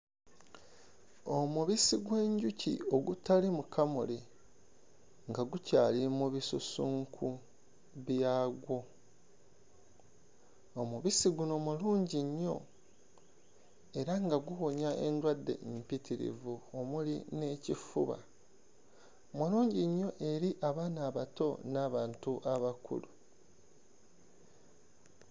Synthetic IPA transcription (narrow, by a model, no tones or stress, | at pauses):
o̞muβisiɡweːɲɟucḭo̞ɡutalimukʰamṵli | ŋɡaɡucaːlimuβisusuːŋkʰu | βjaːɡwo̞ | omuβisiɡunomuluːɲɟiɲːo̞̰ | e̞ɾaŋɡaɡuho̞ɲaʔe̞̰ndwadːe̞̰mpitiɾḭvuomuline̞ːcifṵβa̰ | muluːɲɟiɲːo̞ʔe̞ɾiʔaβaːnaːβato̞naːβaːntuʔaβakʰṵlu